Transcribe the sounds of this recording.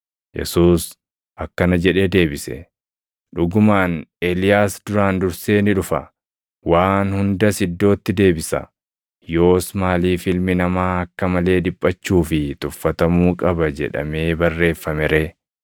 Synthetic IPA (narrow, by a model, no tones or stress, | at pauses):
jɛ̰suːs | ʔɐkːɐnɐd͡ʒɛᶑe̞ːd̪e̞ːbɪsɛ̰ | ᶑʊɡʊmaːneːlɪjaːsd̪ʊɾaːnd̪ʊɾse̞ːnɪᶑʊfɐ̰ | waːnhʊnd̪ɐsɪd̪ːo̞ːt̪ːɪd̪e̞ːbɪsɐ̰ | jo̞ːsmaːliːfɪlmɪnɐmaːɐkːɐmɐle̞ːd̪ɪpʼːɐt͡ʃːuːfɪt̪ʊfːɐt̪ɐmuːkʼɐbɐd͡ʒɛ̰ᶑɐ̰me̞ːbɐrːe̞ːfːɐmɛɾeː